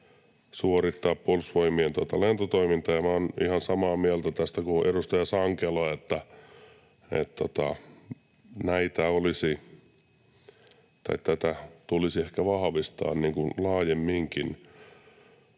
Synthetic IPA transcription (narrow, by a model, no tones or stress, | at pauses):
suorit̪ːɑːppolsʋoimient̪uot̪ɑlent̪ot̪oimint̪ɑjɑmæonḭhɑnsɑmɑːmiælt̪æt̪æst̪ækuʔerust̪ɑjɑsɑŋkeloɑet̪ːæ | ḛt̪t̪ot̪ɑ | næit̪æolisi | t̪ɑ̰itt̪æt̪æt̪ulisiehkæʋɑhɑʋist̪ɑ̰ːnniːŋkunlɑːjemːiŋkin